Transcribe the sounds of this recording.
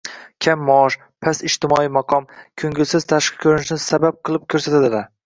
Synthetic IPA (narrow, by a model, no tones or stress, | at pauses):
kʲʰamːɒɒʃ | pʰasɪʃt̪ʰɪmɒijmɑqʰɒmkʰɵŋɡʲɪlˠsɪz̥t̪ʰaʃqɨ̥kʰʲɵɾɪnɪʃnɪsabap̚qʰɨlˠɪp̚kʲʰɵɾsat̪ʰad̪ɪla